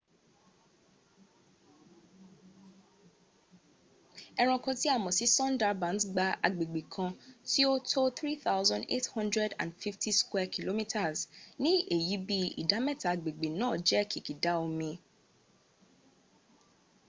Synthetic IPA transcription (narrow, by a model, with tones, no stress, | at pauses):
ɛ˦ɾ̃ɔ̃˧kɔ̃˧ti˦a˦˨mɔ̃˨si˨˦sɔ̃˦nda˦bã˨˦nɡ͡ba˧ʔa˨ɡ͡be˨ɡ͡be˨kʰã˧ti˦o˦tʰo˦θɾi˦θa˦wzɔ̃˦ndḛ˦thɔ̃˦ndɾɛ˦dã̰˨nfi˦fti˦skwɛ˦kʰi˨lo˦mi˦tʰa˨znĩ˦e˨ji˨˦bi˦ḭ˨da˨˦mɛ˦ta˨a˨ɡ͡be˨ɡ͡be˨nãː˨˦˨d͡ʒɛ˦kʰi˨ki˨da˦o˧mĩ˧